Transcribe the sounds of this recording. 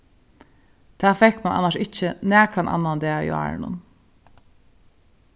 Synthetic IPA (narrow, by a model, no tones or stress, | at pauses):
t̪ʰæːfɛkmanʔa̰naʂɪt͡ʃənæːkʰɾanʔa̰nːand̪eːḭa̰ːɹnʊ̰n